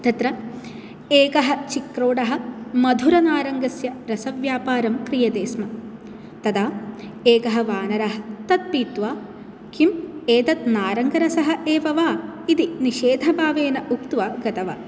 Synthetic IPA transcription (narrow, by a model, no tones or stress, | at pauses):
t̪ɐt̪ɾɐ | eːkɐɦɐ̆t͡ʃikɾoːɽɐɦɐ̆mɐd̪ʱuɾɐnaːɾɐŋɡɐsjɐɾɐsɐʋjaːpaːɾɐmkɾijɐd̪eːsmɐ | t̪ɐd̪aː | eːkɐɦɐ̆ʋaːnɐɾɐɦɐ̥̆t̪ɐt̪̚piːt̪ʋaː | kimeːt̪ɐt̪naːɾɐŋɡɐɾɐsɐɦɐ̆ʔeːʋɐʋaːid̪iniʃeːd̪ʱɐbʱaːʋeːnɐʔukt̪ʋaːɡɐt̪ɐʋa̰